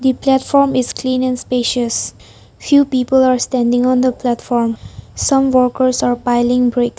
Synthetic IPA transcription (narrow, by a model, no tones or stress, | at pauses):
d̪iplætfɔɹmɪskʰlĩːnɛ̃nspeʃəs | fjuːpiːpəlaɹstɛ̃ndɪ̃ŋɔ̃nd̪əplætfɔɹmsʌ̃mwɔkəɹsaɹpaɪlɪ̃ŋbɹek